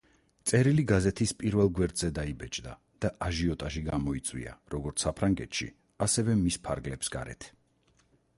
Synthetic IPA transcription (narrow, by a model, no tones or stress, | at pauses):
t̪sʼɛɾiliɡazɛt̪ʰispʼiɾvɛlˠɡwɛɾd̪zɛd̪aibɛt͡ʃʼd̪a̰ | d̪̥aʔaʒiɔt̪ʼaʃiɡamɔit̪sʼwḭa̰ɾɔɡɔɾt̪sʰsapʰɾaŋɡɛ̰t̪ʰʃḭ | asɛvɛmispʰaɾɡlɛpsɡ̥a̰ɾɛ̰t̪ʰ